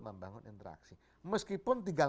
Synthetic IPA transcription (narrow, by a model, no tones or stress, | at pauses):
məmbaŋʊnint̪əɾa̰ksi | məskipʊnt̪iɡal